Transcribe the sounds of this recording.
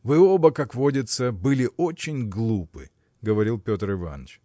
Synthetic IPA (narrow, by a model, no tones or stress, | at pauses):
vɨo̞bəkakvo̞dʲɪt̪səbɨlʲɪʔo̞t͡ɕɪnʲɡlˠupɨ̰ | ɡəvɐɾʲilˠpʲo̞t̪ɾɪva̰nə̰t͡ʃ